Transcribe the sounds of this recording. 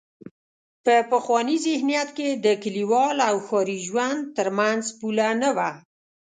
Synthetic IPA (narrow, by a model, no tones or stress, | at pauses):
pəpəxwɑnizɪhnijat̪ked̪əkɪliwɑlawxɑɾiʒwand̪̚t̪əɾmanzpulanəwa